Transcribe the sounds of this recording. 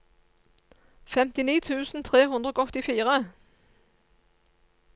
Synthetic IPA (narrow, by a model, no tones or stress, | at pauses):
fɛmt̪ɪniːt̪ʰʉːsn̩t̪ʰʁeːɦʉnd̪ʁəoːɔt̪ɪfiːʁə